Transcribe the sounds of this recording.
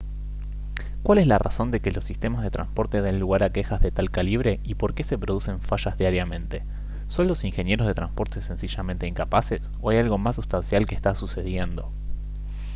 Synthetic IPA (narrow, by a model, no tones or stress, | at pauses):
kwale̞slara̰so̞nd̪e̞ke̞lo̞sːist̪e̞mazð̞e̞t̪ɾa̰nspo̞ɾt̪e̞ðenluɣ̞aɾake̞xazðe̞t̪alkaliβ̞ɾe̞ipo̞ɾke̞se̞pɾo̞ð̞use̞ɱfaʃazðjaɾjamẽ̞nt̪e̞ | so̞nlo̞siŋxe̞nje̞ɾozð̞e̞t̪ɾanspo̞ɾt̪e̞se̞nsiʃamẽnt̪e̞iŋkapases | o̞ajalɣo̞masːust̪ansjalkeːst̪asuse̞ð̞je̞nd̪o̞